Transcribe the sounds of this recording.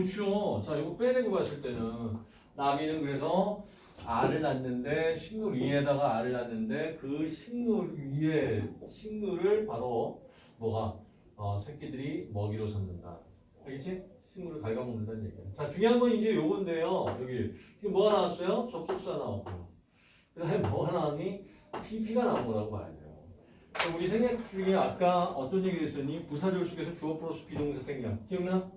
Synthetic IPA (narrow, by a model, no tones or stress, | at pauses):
kɯt͡ɕʰot͡ɕajoɡupʰeneɡebas͈ɯɭt͈e̞nɯn | naɡinɯnkɯɾe̞sʰʌ | aɾɯɭnanːɯnde̞ɕʰinmuɾiɦe̞daɡaːɾɯɭnanːɯnde̞kɯɕʰinmuɾieɕʰinmuɾɯɭpaɾo | mwʌɡa | ʌsʰek͈ʰidɯɾimʌɡiɾosʰʌnːɯnda̰ | keɡet͡ɕʰit͡ɕʰinɡuɾɯɭkaɭɡamonɯndannɲje̞̰ɡiɯt͡ɕat͡ɕuŋjoɦanbʌnind͡ʑe̞joɡɯnde̞jojʌɡiikemwʌɡanawas͈ʌjot͡ɕʌp̚s͈ok̚s͈uana̰wa̰k͈ojo̰ | kɯdaɦmʌanaɦnipʰipʰiɡanaoɡʌɾaɡoma̰ɾḛdḛjo̰ | ɯʌuɾisʰeŋek̚t͡ɕ͈uɡeak͈aʌt͈ʌnje̞ɡiɾes͈ɯɲipusʰad͡ʑʌɭs͈uke̞sʰʌt͡ɕuʌpʰɯɾos͈ʰu̥pid͡ʑoŋsʰasʰeŋiɾak͈ʌŋʌn